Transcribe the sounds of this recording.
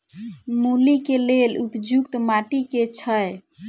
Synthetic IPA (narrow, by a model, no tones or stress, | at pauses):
mulikelelupd͡ʒʱukt̪maʈiket͡ʃʰəj